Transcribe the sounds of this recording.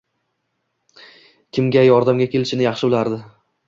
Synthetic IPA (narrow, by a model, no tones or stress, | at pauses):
kʲʰɪmɡʲajɒɾd̪amɡʲakʲʰe̞lɪʃɪnɪjɑχʃɪʊlaɾd̪ɪ